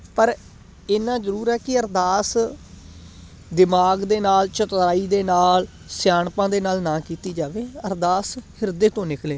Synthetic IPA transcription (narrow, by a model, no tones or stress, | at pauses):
pəɾ | ɪnãːzəɾuːɾɛːkɪəɾd̪aːs | d̪ɪmaːɡd̪eːnaːlt͡ʃət̪ɾaːiːd̪eːnaːl | sjaːɳpãːd̪eːnaːlnãːkiːt̪iːd͡ʒaːʋeːəɾd̪aːshɪɾd̪eːt̪õːnɪkleː